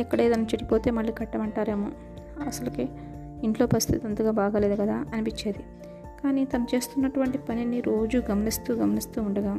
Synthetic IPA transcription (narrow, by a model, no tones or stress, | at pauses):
ɛkːɐɽeːd̪ɐnɐt͡ʃɐɽipo̞ːt̪e̞ːmɐɭːiːkɐʈːɐmɐɳʈaːɾe̞ːmoː | ɐsɐlɐkeː | iɳʈlo̞ːpɐɾist̪ʰit̪iɐnd̪uɡaːbaːɡɐle̞ːd̪ukɐd̪aːɐnipit͡ʃːeːd̪i | kaːniːt̪ɐmɐt͡ʃe̞ːst̪unːɐʈuʋɐɳʈipɐniniɾo̞ːd͡ʒuɡɐmɐnist̪uːɡɐmɐnist̪uːuɳɖɐɡaː